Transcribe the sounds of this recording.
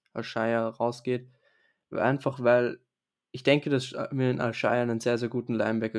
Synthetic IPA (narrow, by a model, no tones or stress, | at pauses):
ʔalʃaɪɐʁaʊsɡ̥eːt | ʔa̰ɪnfaχvaɪl | ʔɪçd̥ɛŋkədasmiːɐɪnʔa̰lʃaɪɐnənzeːɐzeːɐɡuːtn̩laɪmvɛkə